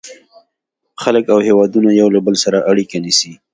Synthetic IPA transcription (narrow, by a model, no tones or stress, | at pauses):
xaləkawhewɑd̪unajawlabəlsaɾaʔaɽikanisi